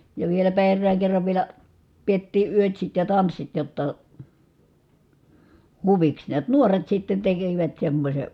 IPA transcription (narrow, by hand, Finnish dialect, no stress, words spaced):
jɑ ʋielæpæ erːæːŋ kerːɑʋ ʋielæ pietːiː yøtsit jɑ tɑnsːit jotːɑ huʋiks niæt nuoret sitːen tekiʋæt semːosʲe